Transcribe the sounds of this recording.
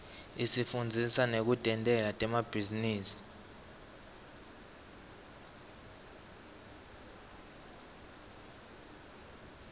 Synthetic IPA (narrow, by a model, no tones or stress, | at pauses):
isifund͡zʱisanek̬utʼɛntʼɛlatʼɛmab̥ʱiziniːsi̥